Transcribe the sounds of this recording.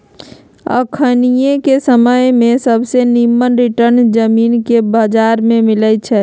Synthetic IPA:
ə̰kʰənijekesəməjmẽsəbʱsenimːənɾiʈəɾnd͡ʒəmiːnkebəd͡ʒaɾmẽmilət͡ʃʰɛ

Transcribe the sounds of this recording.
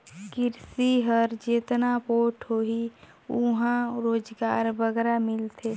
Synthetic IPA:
kɪɾsiɦəɾd͡ʒeːt̪napoːʈʰɦoːɦi | uɦãɾoːd͡ʒɡaːɾbəɡɾamɪlt̪ʰe

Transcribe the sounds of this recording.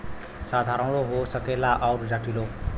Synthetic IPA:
sad̪ʱaɾʌ̃ɽoɦosʌkelaʔʌwɾd͡zaʈilo

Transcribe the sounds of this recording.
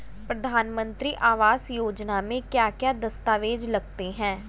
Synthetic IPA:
pɾəd̪ʱaːnmə̃nt̪ɾiːʔaːʋaːsjoːd͡ʒnamẽkjaːkjaːd̪əst̪aːʋeːd͡ʒləɡt̪eɦɛ̃ː

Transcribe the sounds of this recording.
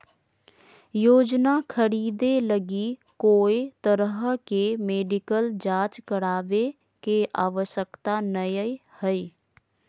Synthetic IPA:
joːd͡ʒnakʰəɽiːd̪eləɡikoːit̪əɾəɦkemeːɖɪkəld͡ʒaːt͡ʃkəɽaːʋe | keʔaːʋəʃəkt̪anəjəihəiː

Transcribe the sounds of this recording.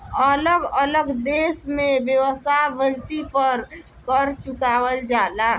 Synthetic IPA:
ələɡələɡd̪eːsmẽbjəwəsaʋəlt̪ipəɾ | kəɾt͡ʃʊkaːwəld͡ʒaːlaː

